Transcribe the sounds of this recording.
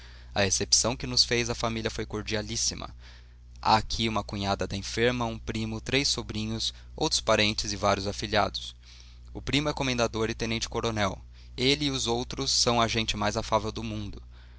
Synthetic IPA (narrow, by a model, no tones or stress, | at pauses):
ɐesepsɐ̃w̃kɪnʊsfejzɐfamiliɐfojkoɾd͡ʒialisimɐ̰ | a̰ːkʰiũmɐkuɲad̪ɐd̪ɐẽfeɾmɐũpɾimʊt̪ɾejsobɾĩɲʊs | o̰wt̪ɾʊ̥spaɾẽnt͡ʃɪzɪvaɾjʊzafilia̰d̪ʊ̥s | ʊpɾĩmʊɛkomẽnd̪ad̪oɾɪt̪ẽnẽnt͡ʃɪ̥koɾonɛw | elɪɪʊzowt̪ɾʊsːɐ̃w̃ɐʒẽnt͡ʃɪmajzafavewd̪ʊmũnd̪ʊ